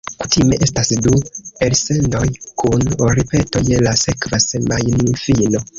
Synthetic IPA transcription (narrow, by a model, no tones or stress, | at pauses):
ku̥time̞ʔe̞stasduelse̞ndo̞jkunoɾipe̞to̞jelase̞kvasemajninfino̞